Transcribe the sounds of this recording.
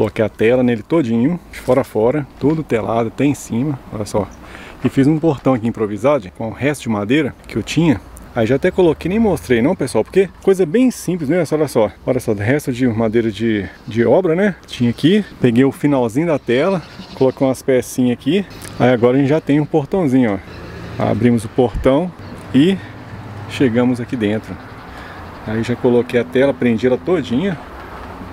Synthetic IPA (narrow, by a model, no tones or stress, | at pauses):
kolokejɐt̪ɛlɐnelɪt̪od͡ʒĩɲʊfɔɾafɔɾɐt̪od̪ʊt̪ela̰d̪ʊat̪ɛẽsĩmɐɔ̰ʎɐsɔ | ɪfizũpoɾt̪ɐ̃w̃ɐkiĩpɾovizad̪ʊkõʊ̃hɛst̪ʊd͡ʒɪmad̪ejɾɐkɪewt͡ʃĩɲɐ | aiʒat̪ɛkolokejnẽj̃most̪ɾejnɐ̃w̃peswawpo̥ɾkekojzɐbẽj̃sĩplɪznɛsɔʎɐsɔɔʎɐsɔd̪ʊɦɛst̪ʊd͡ʒɪmad̪ejɾɐd͡ʒɪ | d͡ʒɪɔbɾɐnɛt͡ʃĩɲɐakipeɡejʊfinawzĩɲʊd̪ɐt̪ɛlɐkolokejũɐspɛsĩɲɐakiaiaɡɔɾɐʒẽt͡ʃɪʒat̪ẽj̃ũpoɾt̪ɐ̃w̃zĩɲʊaa̰bɾĩmʊzʊpoɾt̪ɐ̃w̃ | ɪ | ʃeɡɐ̃mʊzakid̪ẽnt̪ɾʊ | aiewʒakolokejɐt̪ɛlɐpɾẽnd͡ʒiɛlɐt̪od͡ʒĩɲɐ